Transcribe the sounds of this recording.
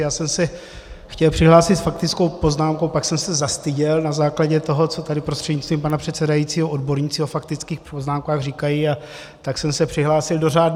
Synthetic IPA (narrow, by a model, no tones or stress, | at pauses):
jaːsɛmsɛ | xcɛlpr̥ɪɦlaːsɪt̪fak̚t̪ɪt͡skowpo̞znaːmko̞wpaksɛmsɛzast̪ɪɟɛlnazaːklaɟɛt̪o̞ɦo̞t͡so̞t̪adɪpɾost̪r̥ɛdɲɪst̪viːmpanapr̥ɛt̪t͡sɛdajit͡siːɦoʔodbo̞ɾɲiːt͡sɪofakt̪ɪt͡skiːxpoznaːmkaːɣriːkajia | t̪aksɛmsɛpr̥ɪɦlaːsɪldo̞raːdn